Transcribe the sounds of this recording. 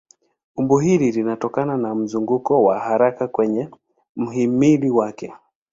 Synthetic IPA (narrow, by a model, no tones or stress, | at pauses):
umbuɦililinatɔkananam̩zuŋɡukɔwaɦaɾakakwɛɲɛ | m̩ɦimiliwakɛ